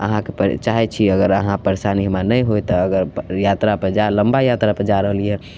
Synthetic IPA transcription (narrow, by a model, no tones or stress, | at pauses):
ə̰ɦãkepəɾt͡ʃaɦɛt͡ʃʰiəɡəɾəɦãpəɾesaniɦmanəjɦojt̪ɔːɡəɾjat̪ɾapəd͡ʒaləmbajat̪ɾapəd͡ʒaɾəɦəliɦɛ